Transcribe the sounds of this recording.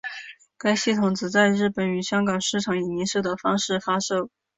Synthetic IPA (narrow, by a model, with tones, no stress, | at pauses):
ka˥ɪɕi˥˩t̪ʰʊ˨˩ŋt͡sɹ̩˧˩t͡sa˥˧ɪɻɻ̩˥˩pə˨˧˥ny˨˩ɕjɑ˥ŋkɑ˨˩ŋʂɻ̩˥˩ʈ͡ʂʰɑ˧˥ŋi˨˩ni˧˥ʂɤ˥˩d̪ə˩fɑ˥ŋʂɻ̩˥˩fa˥ʂo˥˩ʊ